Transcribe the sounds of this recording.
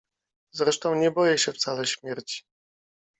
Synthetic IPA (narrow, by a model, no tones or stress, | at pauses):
zɾɛʂt̪ɔ̃w̃ɲɛbɔjɛɕɛft̪salɛɕmʲjɛɾt͡ɕi̥